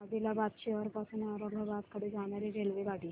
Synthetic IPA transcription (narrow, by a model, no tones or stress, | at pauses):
ad̪ilabad̪ɕeʋəɾpasuːnaɾəŋɡʱabat̪kəɽed͡zaɽaɾiɾelʋeɡaɽi